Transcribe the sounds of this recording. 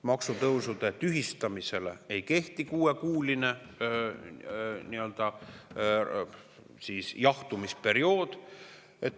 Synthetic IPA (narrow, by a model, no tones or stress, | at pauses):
mɑksut̪ɤwsud̪̥e̞t̪yɦist̪ɑmise̞le̞̰ejke̞ht̪ikuːe̞kuːline̞ | niø̞ld̪̥ɑ | siːsjɑht̪umispe̞ɾio̞ːd̪̥ | et̪ː